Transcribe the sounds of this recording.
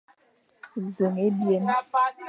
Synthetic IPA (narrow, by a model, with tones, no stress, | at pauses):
zə˨ŋe˦bje˨na˦fa˦